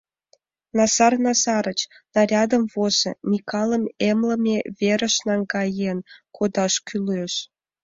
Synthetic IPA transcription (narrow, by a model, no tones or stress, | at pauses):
nɑsɑrnɑsɑɾət͡ɕ | nɑɾʲɑd̪əmvozə̰mʲikʰɑləmemləmʲeβʲeɾəʃnɑŋɡɑjenkʰod̪ɑʃkyløʃ